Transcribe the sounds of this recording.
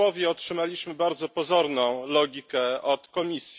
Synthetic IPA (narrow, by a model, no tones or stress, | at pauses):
ɔvʲjɛɔtʂɘmalʲiɕmɘbaɾd̪zɔpɔzɔɾnɔ̃w̃lɔɡʲikɛɔt̪kɔmʲisʲj